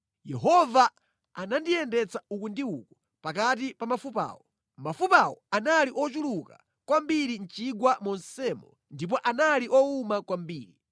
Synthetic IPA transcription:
jɛɦɔva | anandijɛndɛt͡saukundiukɔ̥ | pakat̬ipamafupa̰ːwɔ | mafupawɔ̰analiʔɔt͡ʃuluka̰ | kwambiɾin̩t͡ʃiɡwamɔnsɛmɔ | ndip̬ɔʔanaliʔɔumakwambiːɾi

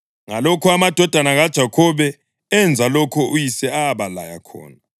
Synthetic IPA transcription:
ŋalokʰuamad̥ʱɔd̥ʱanaɣad̥ʒ̥ʱakʰɔβɛ | ɛnd͡zʱalɔkʰɔujisɛaβala̰ja̰kʰɔ̰ːna

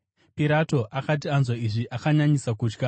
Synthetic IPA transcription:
piɾato̞ʔakat̬ianzwaiʐiʔakaɲaɲisakuːt͡ʃka

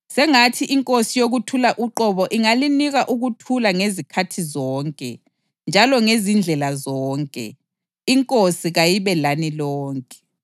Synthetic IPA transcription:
sɛŋatʰiʔiŋkʼosijoɣutʰulaʔuǃɔβɔʔiŋaliniɣaʔuɣutʰulaŋezikʰatʰizɔːŋkʼɛ̰ | nd͡ʒʱalɔŋezind͡ɮʱɛlazɔːŋkʼɛ̰ | iŋkʼosiɣajiβɛlanilɔːŋkʼɛ̥

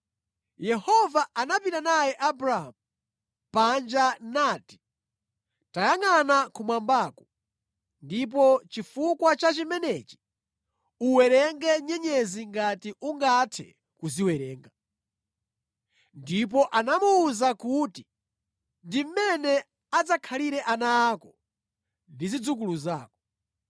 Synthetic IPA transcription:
jɛhɔvaʔanapitanajɛʔabɾaa̰mu | pand͡ʒanaːti̥ | tajaŋanakumwambaːkɔ | ndip̬ɔt͡ʃifukwat͡ʃat͡ʃimɛnɛt͡ʃi̥ | uwɛɾɛŋɡɛɲɛɲɛziŋɡatiʔuŋɡatʰɛ̰ | kuziwɛɾɛːŋɡa | ndip̬ɔʔanamuːzakuːti | ndim̩mɛnɛ | ad͡zakʰaliɾɛʔanaːkɔ | ndizid͡zuk̬uluzaːkɔ

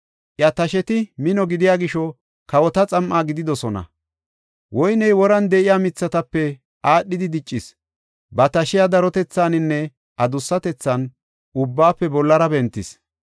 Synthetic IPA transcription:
ʔjɐt̪ɐʃɛt̪ɪmɪnɔɡɪd̪ɪjaːɡɪʃɔ | kɐwɔt̪ɐt͡sʼɐmʔaːɡɪd̪ɪd̪ɔsɔnɐ̰ | wɔjnɛjwɔɾɐnd̪ɛʔɪjaːmɪt͡sːɐt̪ɐpːɛ | ʔaːɗːɪd̪ɪd̪ɪt͡ʃʼːɪs | bɐt̪ɐʃɪjad̪ɐɾɔt̪ɛt͡sːaːnɪnːɛ | ʔɐd̪ʊsːɐt̪ɛt͡sːɐn | ʊbːaːpːɛbɔlːɐɾɐbɛnt̪ːɪs

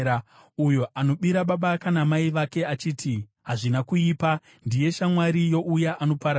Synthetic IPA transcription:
ujo̞ʔano̞ɓiɾaɓaɓakanamaiʋake̞at͡ʃiːtʰi | ɦaʐinakuiːpa | ndije̞ʃamwaɾijo̞ʔujaʔano̞paɾa

